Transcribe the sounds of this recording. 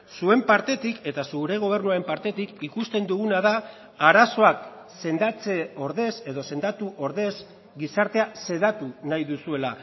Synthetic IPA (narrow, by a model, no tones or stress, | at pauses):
sue̞mpaɾt̪e̞t̪ike̞t̪asuɾe̞ɣ̞o̞β̞e̞ɾnuaɾe̞mpaɾt̪e̞t̪ikikust̪e̞nd̪uɣunaða | aɾaso̞ak | se̞nd̪at͡se̞o̞ɾðe̞se̞ðo̞se̞nd̪at̪uʔo̞ɾðe̞z | ɡisaɾt̪e̞ase̞ðat̪unajðusue̞la